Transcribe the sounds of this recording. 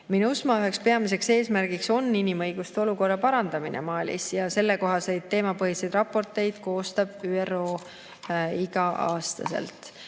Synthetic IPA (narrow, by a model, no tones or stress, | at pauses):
minusmɑyɦe̞kspe̞ɑmis̬e̞kse̞ːsmæɾɡ̥ikso̞nːinimɤjɡ̥ust̪eo̞luko̞rːɑpɑɾɑnd̪̥ɑminʔḛmɑːlʲḭsjɑse̞lːe̞ko̞ɦɑsejd̪̚t̪ːe̞ːmɑpɤɦised̪rɑpːˑo̞rt̪ˑe̞jd̪̥ko̞ːst̪ɑb̥yːero̞ː | iɡ̥ɑʔɑ̰ːst̪ɑ̰se̞̰lt̪ˑ